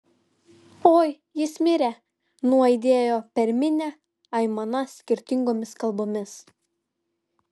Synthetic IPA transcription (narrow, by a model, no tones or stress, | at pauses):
oːj | jɪsmʲɪɾʲɛ | nuɔɪd̪ʲeːjoːpʲɛɾʲmʲɪnʲɛ | ɐɪmɐnɐsʲkʲɪɾʲt̪ʲɪŋɡoːmʲɪskɐlˠboːmʲɪs